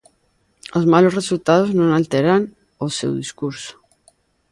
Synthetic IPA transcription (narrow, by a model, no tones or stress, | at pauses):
ozmalosresult̪að̞oznõŋalt̪eɾan | osḛwðiskuɾso̥